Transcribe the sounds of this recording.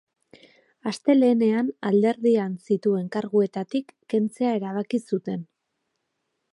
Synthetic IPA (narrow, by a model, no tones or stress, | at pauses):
ast̪e̞le̞ːne̞anald̪e̞ɾðiansit̪ue̞ŋkaɾɣue̞t̪at̪ikːe̞nt͡se̞ae̞ɾaβakisut̪e̞n